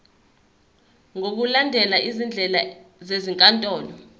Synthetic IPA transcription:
ŋok̬ulandʱɛlaʔizind͡ɮʱɛlazeziŋkʼantʼɔːlɔ

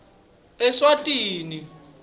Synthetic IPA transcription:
ɛswatʼiːni

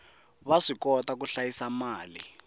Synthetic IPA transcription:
βaʂikɔtak̬uɬajisamaːlḭ

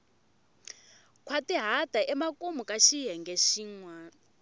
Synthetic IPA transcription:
kʰwatiɦatʼaʔɛmakʼumukʼaʃiɦɛŋɡɛʃiːŋwa

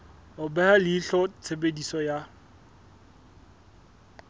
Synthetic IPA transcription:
ʊbɛhalɪːɬɔt͡sʰebedisɔja

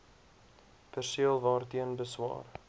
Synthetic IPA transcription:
pərsiəlˠvɑːrtiənbəswɑ̰ːr

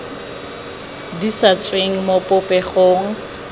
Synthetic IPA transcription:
disat͡sʼweŋ̩mopʼʊpʼɛχoːŋ̩

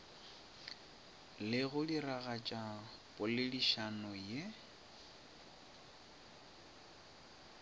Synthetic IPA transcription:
lɪɣʊdiraɣat͡ʃʼa | pʼʊlɪdiʃanɔje

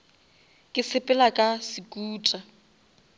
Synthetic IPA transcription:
kʼɪsɪpʼɛlakʼasikʼuːtʼa

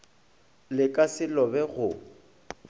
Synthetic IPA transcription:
lɪkʼasɪlɔbɛɣʊ

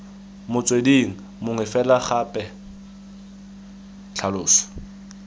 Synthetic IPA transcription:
mʊt͡sʼwediŋ̩ | mʊŋɪfɛlaχapʼɛ | t͡ɬʰalʊːsɔ̥

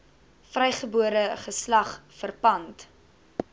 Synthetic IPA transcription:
frɛjχəbuəɾəχəslɐχfərpɐnt

